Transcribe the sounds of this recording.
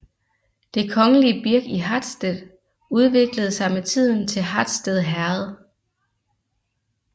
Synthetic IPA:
d̥e̝kʰɒ̽ŋəliəb̥iɐɡ̥iɦɑd̥sd̥eð̰ˠ | uð̞ˠʋe̝ɡ̥ləð̞̩ˠsɑ̈ɪmet͡sʰið̞̰ˠn̩t͡sʰe̝lɦɑd̥sd̥eðˠɦæɐð̩ˠ

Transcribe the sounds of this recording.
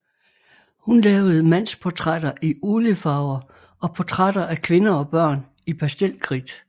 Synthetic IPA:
hunlɛːʊð̩ˠmæn̰spʰɒt͡sʰʁad̥ɐʔiuːləfɑ̈ʊɐ | ɒ̽pʰot͡sʰʁadɐʔækʰʋe̝nɐɒ̽b̥ɶɐ̰n | ipʰæsd̥el̰kʰʁid̥

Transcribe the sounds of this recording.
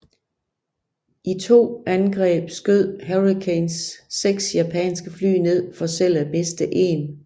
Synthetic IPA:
ʔit͡sʰo̝̰ːænɡ̥ʁɛ̰ːb̥sɡ̥øð̰ˠɦeʁikʰensːeɡ̥sjæpʰɛ̰ːnsɡ̥əfly̰ːne̝ð̞̰ˠfɒ̽sel̰æb̥e̝sd̥əʔe̝̰ːn

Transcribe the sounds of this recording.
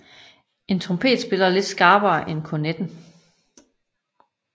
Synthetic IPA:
e̝nt͡sʰʁɔmpʰe̝̰ːd̥sb̥e̝lɐle̝d̥sɡ̥æːb̥ɐːʔenkʰoned̥n̩

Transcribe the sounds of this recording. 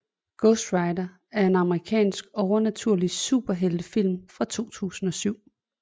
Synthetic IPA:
ɡ̥ɔsd̥ʁɑ̈ɪdɐ | æɐe̝nɑ̈məʁikʰɛ̰ːnsɡ̥ɒʊɐnæt͡sʰuɐ̰lisṵːb̥ɐɦeld̥əfil̰mfʁɑ̈t͡sʰo̝̰ːt͡sʰṵːsn̩ɒ̽syʊ̰

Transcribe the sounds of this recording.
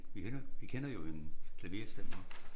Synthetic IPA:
ʋieɐʋikʰenɐjo̝enkʰlæʋe̝ɐsd̥æfɒ

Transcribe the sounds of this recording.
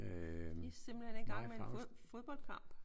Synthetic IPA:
isem̰b̥l̩hene̝nɡ̥ɑ̈ŋmefoð̞ˠb̥ɒ̽l̰d̥̚kʰɑ̈m̰b̥

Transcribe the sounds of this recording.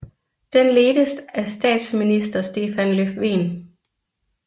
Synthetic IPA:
d̥enle̝ːdəsd̥æsd̥ɛ̰ːd̥sminisd̥ɐsd̥e̝ːfænløfʋe̝̰ːn

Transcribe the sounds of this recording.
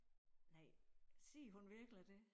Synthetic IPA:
nɑɪ̰sḭːɦunʋiɐɡ̥lid̥e̝

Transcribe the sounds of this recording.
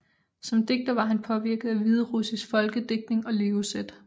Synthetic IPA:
sɒ̽md̥e̝ɡ̥̚d̥ɐʋɑ̈ɦænpʰɒ̽ʋiɐɡ̥əð̩ˠæʋið̞ˠʁusisfɒ̽lɡ̥əd̥e̝ɡ̥̚d̥ne̝ŋɒ̽le̝ːʊsed̥

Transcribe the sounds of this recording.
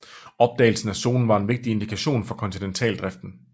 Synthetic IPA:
ɒ̽b̥̚d̥ɛ̰ːɪl̩sn̩æso̝̰ːln̩ʋɑ̈e̝nʋe̝ɡ̥̚d̥ie̝nd̥ikʰæɕo̝̰ːnfɒ̽kʰɒ̽nt͡sʰinent͡sʰɛ̰ːld̥ʁɛfd̥n̩

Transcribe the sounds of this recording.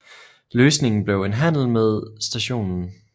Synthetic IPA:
løːsne̝ŋn̩b̥le̝ʊenɦæn̰l̩með̞ˠsd̥æɕo̝̰ːnn̩

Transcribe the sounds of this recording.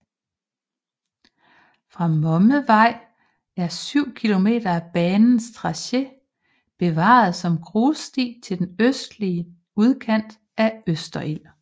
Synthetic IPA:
fʁɑ̈mɒ̽məʋɑ̈ɪ̰ | æɐsyʊ̰kʰilo̝me̝̰ːd̥ɐæb̥ɛːnn̩st͡sʰʁɑ̈ɕe | b̥e̝ʋɑ̰̈ð̩ˠsɒ̽mɡ̥ʁoːsd̥ḭːt͡sʰe̝ld̥enøsd̥liə | uð̞ˠkʰæn̰d̥ | ʔæøsd̥ɐʔil̰

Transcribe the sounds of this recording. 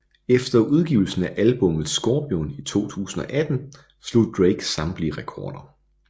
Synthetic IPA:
efd̥ɐʔuð̞ˠɡ̥iʊl̩sn̩æʔælb̥ɔ̽mð̩ˠsɡ̥ɒːb̥jonit͡sʰo̝̰ːt͡sʰṵːsn̩ɒ̽ʔæd̥n̩ | slo̝̰ðˠd̥ʁeɪɡ̥sɑ̈mb̥liʁɛkʰɒːd̥ɐ

